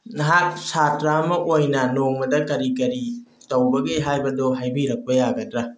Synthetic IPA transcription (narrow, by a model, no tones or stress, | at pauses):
nɐɦat̚satɾamɐʔojnɐnoŋmɐdɐkɐɾikɐɾi | tɐwbɐɡeɦajbɐdoɦajbiɾɐk̚pɐjaɡɐdɾa